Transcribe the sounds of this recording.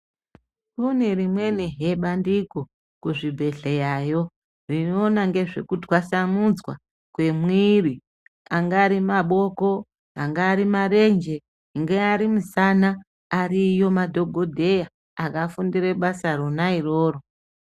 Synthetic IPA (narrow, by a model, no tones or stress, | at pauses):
kunerimwe̞niɦe̞ɓandiko | kuʐibʱe̞ɬejajo̞ | rinoːnaŋɡe̞ʐe̞kudwasamud͡zwa̰ | kwe̞mwiri | aŋɡaːɾimaɓo̞ko̞ | aŋɡaːɾimare̞nd͡ʒe̞ | ŋɡeaɾimusanaː | rijo̞madʱo̞ɡʱodʱe̞ja | akafundireɓasaɾonairoːro̞